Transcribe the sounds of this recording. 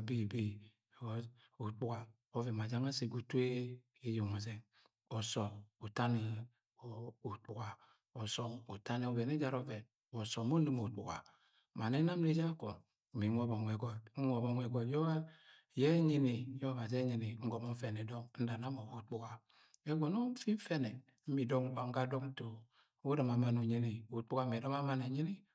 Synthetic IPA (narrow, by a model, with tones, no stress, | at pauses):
a˨bi˦˨bi˦˨ | u˨k͡pu˦ka˨ | o˦ve˨ma˨d͡ʒa˦ŋa˦se˨ɡu˨te˦ | i˦jo˨ŋa˨ze˦ | ɔ˨sɔ˨mu˨ta˦ni˨ | u˨k͡pu˨ka˨ | ɔ˨sɔ˦ŋu˨ta˦ni˨o˨vɛ˨ne˦d͡ʒa˦ɾɔ˦vɛ˨n | ɔ˨so˨mo˦li˦mo˨k͡pu˨ka̰˨ | ma˨ne˦na˦m˦ni˦d͡ʒa˦ko˨ | mi˨˦ŋo˦bɔ˨ŋɛ˨ɡɔ˨t̩˦ŋʷɔ˨bɔ˨ŋɛ˨ɡɔ˨tjɔ˦ | jɛ˦ɲi˦ni˨jɔ˦βa˨z̬e˦ɲi˨ni˨˦ŋ̩˦ɡɔ˨mɔ˦ɱ̩˦fɛ˨ne˨dɔ˦ŋn̩˦da˨na˦mo˨bo˨k͡pu˦ɡa˨ | ɛ˦ɡɔ˨no˦ɱ̩˦fi˦ɱ̩˦fɛ˦nɛ˨ | m̩˦mi˨dɔ˦ŋ˨k͡pa˨ŋ˦ɡa˦do˦ŋ˦to˨ | u˦ɾa˨ma˨ma˨no˨ɲi˦ni˨u˨k͡pu˦ka˦m˨ɛ˨dɔ˦ma˦ma˦ne˨ɲi˦ni˦